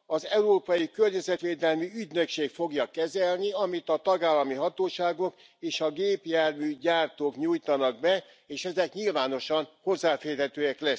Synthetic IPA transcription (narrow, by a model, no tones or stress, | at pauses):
ɒzɛuɾoːpɒjikørɲɛzɛt̪ʋeːd̪ɛlmiyɟnøkʃeːkfo̞ɡjɒkɛzɛlniɒmit̪ɒt̪ɒɡaːlːɒmiɦɒt̪oːʃaːɡo̞k | eːʃɒɡeːpjaːrmyːɟaːrt̪oːkɲujt̪ɒnɒɡ̚bɛ | eːʃɛzɛkɲilvaːno̞ʃɒnho̞zːaːfeːrɦɛt̪øːɛklɛs